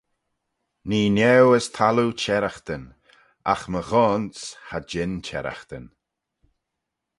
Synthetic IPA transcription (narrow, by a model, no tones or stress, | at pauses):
niːnɛwəst̪ʰalut͡ʃʰɛɾaxt̪ən | a̰xməɣɔːnshad͡ʒɪnt͡ʃʰɛ̰ɾa̰xt̪ən